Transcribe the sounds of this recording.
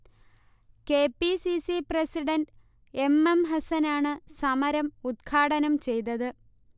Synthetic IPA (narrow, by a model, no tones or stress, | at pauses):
ke̞ːpːisisiprɐsiɖɐnɖ | e̞mːemɦɐsɐnaːɳɨsɐmɐɾɐmud̪̚kʰaːɽɐnɐmt͡ɕe̞jt̪ɐðɨ